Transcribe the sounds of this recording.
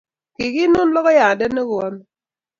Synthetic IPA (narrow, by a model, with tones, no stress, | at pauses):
ki˨ki˦no˦n˦lɔ˦kɔ˦ja˨dɛ˦nə˦ɣu˨ɔ˦m˦